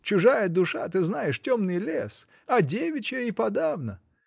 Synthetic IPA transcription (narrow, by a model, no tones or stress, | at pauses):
t͡ɕʊʐajəd̪ʊʂa̰t̪ɨznajɪʂtʲomnɨjlʲes | ɐdʲevʲɪt͡ɕəipɐd̪avnə